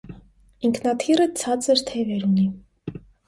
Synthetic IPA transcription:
iŋkʰnɑt̪ʰirət͡sʰɑt͡səɾt̪ʰɛvɛɾuni

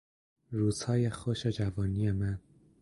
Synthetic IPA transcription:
ɾuːz̥hɒːjexoʃed͡ʒævɒːnijemæn

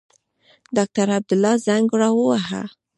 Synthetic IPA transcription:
d̪ɑk̚t̪aɾab̚d̪ʊlːɑzaŋɡɾɑwəwaɦa̰

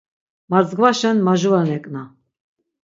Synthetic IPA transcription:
maɾzɡvaʃɛnmaʒuvanɛkʼna

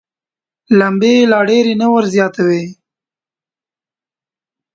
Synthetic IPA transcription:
lambelɑɖeɾenəwəɾzjɑt̪awe

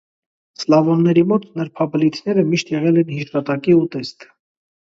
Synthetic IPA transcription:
slɑvɔnːɛɾimɔt̪nəɾpʰɑbəlit̪ʰnɛɾəmiʃt̪jɛʁɛlɛnhiʃɑt̪ɑkiut̪ɛst̪

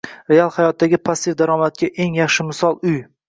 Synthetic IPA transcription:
ɾe̞alˠhajɒt̪̚d̪aɡʲɪpʰasːɪfd̪aɾɒmat̪̚kʲaʔe̞ŋjɑχʃɪmɪsɒlˠʊj

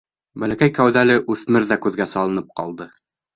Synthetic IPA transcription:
bælækæjkæwðælɘʔʉθmɘɾðækʉðɡæsɑlˠɤ̆nɤp̚qɑ̰lˠd̪ɤ

